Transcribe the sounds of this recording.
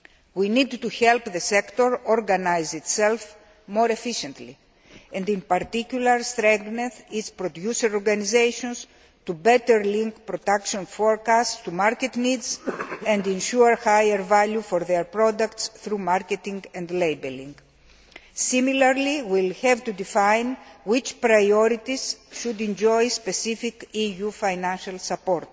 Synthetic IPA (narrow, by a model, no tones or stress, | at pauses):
winid̪t̪uçelpðesekt̪oɾoɾɡɐnajzit̪self | mo̞ɾefiʃẽnt̪lḭ | ẽnd̪ĩnpɐɾt̪iculɐɾst̪ɾẽŋɡneθit̪spɾod̪juseɾoɾɡɐnizejʃõns | t̪ubet̪eɾlĩŋkpɾod̪akʃõnfoɾkastst̪umaɾket̪nid̪zɛ̃nd̪ĩnʃuɾhajeɾvaljufoɾðeɾpɾod̪ɐkt̪sθɾumaɾket̪ĩŋɡɛ̃nd̪lejbelĩŋɡ | similaɾliwilhɛvt̪ud̪ifãjnwit͡ʃpɾajoɾit̪iz̥ʃud̪ĩnd͡ʒojspesifikijufajnãnʃalsapoɾt̪